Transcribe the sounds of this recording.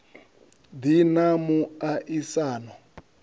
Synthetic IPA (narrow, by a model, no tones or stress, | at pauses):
d̪inamuaʔisaːnɔ